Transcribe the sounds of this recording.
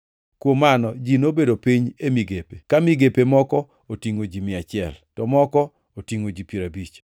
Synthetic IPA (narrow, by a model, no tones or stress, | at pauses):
kwomːanɔd͡ʒinobedopiɲemiɡepekamiɡepemɔkɔ | otiŋod͡ʒimɪat͡ʃɪɛ̰ltɔmɔkɔ | otiŋod͡ʒipiɾabit͡ʃ